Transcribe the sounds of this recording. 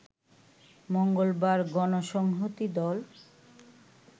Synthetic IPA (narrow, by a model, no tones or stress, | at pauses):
moŋɡolbaɾɡɔnoʃɔŋɦot̪id̪ɔl